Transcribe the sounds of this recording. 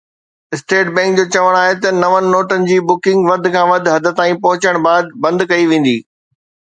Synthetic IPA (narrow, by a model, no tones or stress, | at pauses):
ɪsʈeːʈbɛ̃ːŋk̚d͡ʑoːt͡ɕɐʋəɽ̃aːɦet̪ɐnɐʋənɪ̆noːʈənɪ̆d͡ʑiːbʊkɪ̃ŋɡʋɐd̪ʱɪ̆kʰãːʋɐd̪ʱɦɐd̪ʱɪ̆t̪ãːĩpɐɦʊt͡ɕəɽ̃baːd̪̚bɐ̃nd̪kɐiʋẽːn̆d̪iː